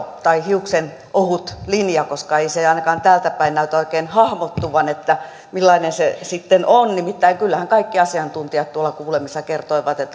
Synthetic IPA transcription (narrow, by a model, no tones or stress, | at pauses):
t̪ɑihiuksen | ʔohut̪linjɑkoskɑeiseɑinɑkɑːnt̪æːlt̪æpæinnæyt̪oikeːnhɑhmot̪ːuʋɑnet̪ːæ | milːɑinensesit̪ːenonnimit̪ːæiŋkylːæhæŋkɑikːiɑsiɑnt̪unt̪iɑt̪t̪uolːˑɑkuːlemisːɑkert̪oiʋɑt̪et̪ː